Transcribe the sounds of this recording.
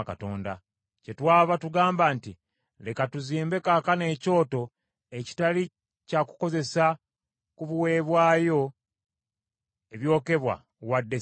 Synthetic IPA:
kato̞ːnda | ce̞twaːβatuɡaːmbaːnti | le̞katuziːmbe̞kakane̞ːco̞ːto̞ | eci̥tali | caku̥ko̞ze̞sa | kuβuwe̞ːβwaːjo̞ | eβjo̞ːke̞βwa̰ | wadːe

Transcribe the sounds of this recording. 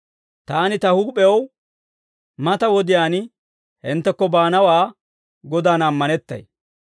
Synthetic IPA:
t̪aːnɪt̪ɐhʊɡpɛw | mɐt̪ɐwɔd̪ɪjaːn | hɪnt̪ːɛkːɔbaːnɐwaː | ɡɔd̪aːnɐmːɐnɛt̪ːɐ̰j

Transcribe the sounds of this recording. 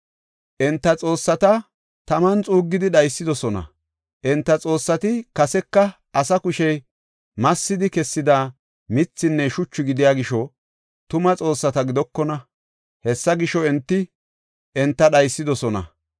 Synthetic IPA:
ʔɛnt̪ːɐt͡sʼo̞ːsːɐt̪ɐ | t̪ɐmɐnt͡sʼuːɡːɪd̪ɪɗɐjsːɪd̪ɔsɔnɐ̰ | ʔɛnt̪ːɐt͡sʼo̞ːsːɐt̪ɪkɐsɛkːɐ | ɐsɐkʊʃɛj | mɐsːɪd̪ɪkɛsːɪd̪aː | mɪt͡sːɪnːɛʃʊt͡ʃːʊɡɪd̪ɪjaːɡɪʃɔ | t̪ʊmɐt͡sʼo̞ːsːɐt̪ɐɡɪd̪ɔkːɔnɐ | hɛsːɐɡɪʃɔɛnt̪ːɪ | ɛnt̪ːɐɗɐjsːɪd̪ɔsɔnɐ̰

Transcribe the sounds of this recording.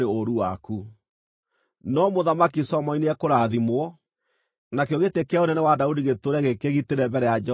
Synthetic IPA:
eoɾuwaku | nɔmoðamakisɔmɔineɛkoɾaðimwɔ | nakeoɣetekeaonɛnɛwadaudiɣetoɾɛɣekeɣiteɾɛmbɛɾɛjad͡ʒ

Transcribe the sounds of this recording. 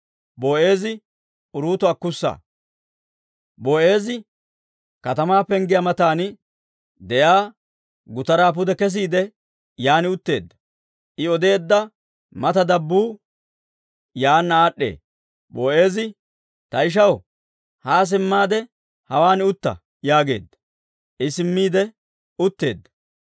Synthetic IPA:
boːe̞ːzɪ | ʊɾuːt̪ʊɐkːʊsːa̰ː | boːʔe̞ːzɪ | kɐt̪ɐmaːpɛŋɡɪjamɐt̪aːnɪ | d̪ɛjaː | ɡʊt̪ɐɾaːpʊd̪ɛkɛs̬iːd̪ɛ | jaːnɪʊt̪ːe̞ːd̪ːɐ̥ | ʔɪɔd̪e̞ːd̪ːɐ | mɐt̪ɐd̪ɐbːuː | jaːnːaːɗːḛː | boːe̞ːzɪ | t̪ɐɪʃ̬ɐw | haːs̬ɪmːaːd̪ɛ | hɐwaːnɪʊt̪ːɐ̰ | jaːɡe̞ːd̪ːɐ̥ | ʔɪsɪmːiːd̪ɛ | ʊt̪ːeːd̪ːɐ̥

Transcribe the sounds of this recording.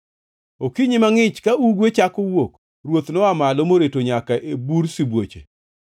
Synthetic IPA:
okiɲimaŋɪt͡ʃkauɡwet͡ʃakowok | ɾwot̪nɔamalomoɾetoɲakaʔebuɾsibwot͡ʃḛ

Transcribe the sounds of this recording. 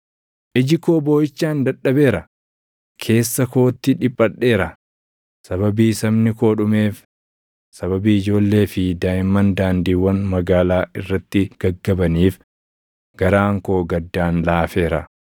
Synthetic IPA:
ʔɪd͡ʒɪkoːbo̞ːjɪt͡ʃːaːnd̪ɐᶑɐbe̞ːɾɐ | kʰe̞ːsːɐko̞ːt̪ːɪᶑɪpʼːɐᶑːe̞ːɾɐ | sɐβɐbiːsɐmnɪko̞ːᶑʊme̞ːf | sɐβɐbiːɪd͡ʒo̞ːlːe̞ːfɪd̪aːɪmːɐnd̪aːnd̪iːwːɐnmɐɡaːlaːʔɪrːɐt̪ːɪɡ̥ɐɡːɐbɐniːf | ɡ̥ɐɾaːŋko̞ːɡɐd̪ːaːnlaːfe̞ːɾɐ̰

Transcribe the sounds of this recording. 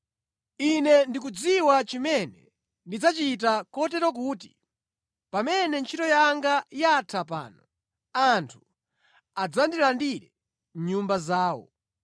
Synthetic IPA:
inɛndik̬ud͡ziwat͡ʃimɛnɛ | ndid͡zat͡ʃit̬akɔtɛɾwɔk̬uːt̬i̥ | pamɛnɛnt͡ʃʰitɔjaŋɡajatʰap̬a̰ːnɔ | antʰu̥ | ad͡zandilandiɾɛ | ɲumbazaːwɔ̰

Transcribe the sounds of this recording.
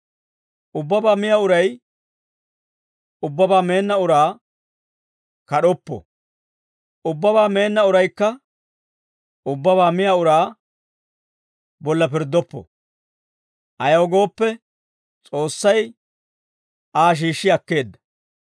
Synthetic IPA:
ʔʊbːɐbaːmɪjɐʊɾɐj | ʊbːɐbaːme̞ːnːɐʊɾaː | kɐɗɔpːɔ̰ | ʊbːɐbaːme̞ːnːɐʊɾɐjkːɐ | ʊbːɐβaːmɪjaʊɾaː | bɔlːɐpɪɾd̪ːɔpːɔ̰ | ʔɐjɐwɔɡo̞ːpːɛ | t͡sʼo̞ːsːɐj | ʔaːʃ̬iːʃːɪɐkːe̞ːd̪ːɐ̥

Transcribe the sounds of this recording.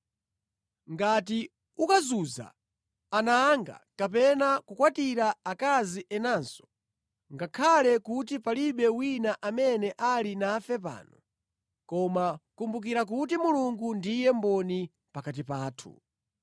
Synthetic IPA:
ŋɡati | ukazuza̰ː | naːŋɡa̰kap̬ɛnakukwatiɾaakaziʔɛnansɔ̥ | ŋɡakʰalɛkutipaliɓɛwinaʔamɛnɛʔalinafɛp̬a̰ːnɔ | kɔmakumbuk̬iɾak̬utimuluŋɡundijɛmbɔni | pakat̬ipaːtʰṵ

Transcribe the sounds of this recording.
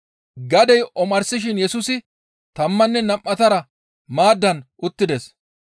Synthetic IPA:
ɡɐd̪ɛjʔɔmɐɾsɪʃ̬ɪnjɛsʊsɪ | t̪ɐmːɐnːɛnɐmʔːɐt̪ɐɾɐ | maːd̪ːɐnʔʊt̪ːɪd̪ɛs

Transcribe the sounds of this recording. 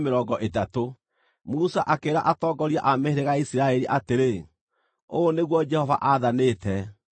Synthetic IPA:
meɾɔːɡɔʔetato | musaʔakeɾa̰ʔatɔːɡɔɾjaʔameheɾeɣaisiɾaɛɾiʔateɾe | oːneɣwɔd͡ʒɛhɔva̰ʔaðanetɛ

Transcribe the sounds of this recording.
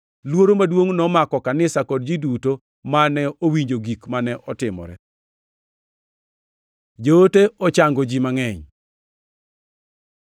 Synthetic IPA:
lwoɾomadwoŋnɔmakɔkanɪsakɔd̚d͡ʒiduto | manɛowiɲd͡ʒoɡikmanɛʔɔtɪmɔ̰ɾɛ̰ | d͡ʒoteɔt͡ʃaŋɡod͡ʒimaŋɛɲ

